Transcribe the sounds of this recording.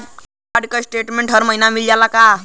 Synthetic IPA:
aɽkəsʈeʈmeɳʈɦəɾməɦinamild͡ʑalaka

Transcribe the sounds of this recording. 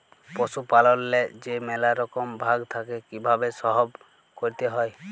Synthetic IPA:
posupalɔnled͡ʒemɛlaɾɔkɔmbʱaɡt̪ʰakekibʱabesɔɦɔb | koɾit̪eɦɔj

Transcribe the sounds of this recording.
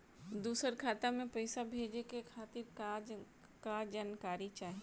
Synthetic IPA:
d̪uːsəɾkʰaːt̪amẽpɐɪsabʱeːd͡ʒekekʰaːt̪ɪɾka | kad͡ʒaːnkaːɾit͡ʃaːɦie

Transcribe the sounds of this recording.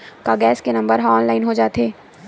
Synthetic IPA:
kaɡɛːskenɐ̃mbəɾɦɔːnlaːɪnɦod͡ʒaːt̪eː

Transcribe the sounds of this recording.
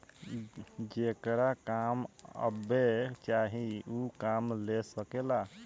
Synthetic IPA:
d͡ʒekɾakamə̰bet͡ʃaɦiukamlesəkela

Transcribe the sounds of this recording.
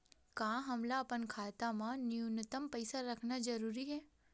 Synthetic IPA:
kãːɦɐmlaɐpənkʰaːt̪amãnɪunət̪əmpɛjsaɾɐkʰnad͡ʒɐɾuːɾiɦɛː

